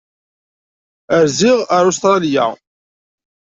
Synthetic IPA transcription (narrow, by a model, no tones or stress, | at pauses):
əɾziʁəɾust̪ɾˤɑlja̰